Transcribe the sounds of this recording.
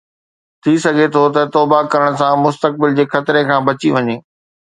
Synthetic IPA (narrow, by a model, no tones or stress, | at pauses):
t̪ʰisɐɡʱet̪ʰot̪ɐt̪oːbakɐɾəɽ̃ʊsãmʊst̪ək̚bɪld͡ʑeːxɐt̪ɪɾekʰãːbɐt͡ɕiʋɐɲeː